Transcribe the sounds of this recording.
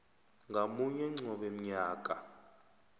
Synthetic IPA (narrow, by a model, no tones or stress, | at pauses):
ŋɡamuɲɛŋ͡ǀɔɓɛm̩ɲaːk̬ʼa